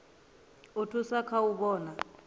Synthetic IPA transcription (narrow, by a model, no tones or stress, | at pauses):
otʰusakʰauɓɔːna